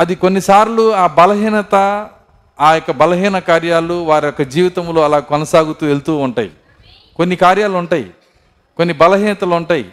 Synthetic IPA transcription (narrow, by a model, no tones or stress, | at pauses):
ɐd̪ikonːisaːɾluaːbɐlɐɦiːnɐt̪ɐ | aːjɔkːɐbɐlɐɦiːnɐkaːɾjaːluʋaːɾijɔkːɐd͡ʒiːʋit̪ɐmlo̞ːɐlaːɡkɔnɐsaːɡut̪uːe̞lt̪uːuɳʈaːjḭ | ko̞nːikaːɾjaːluuɳʈaːjḭ | ko̞nːibɐlɐɦiːnɐt̪ɐluɳʈaːjḭ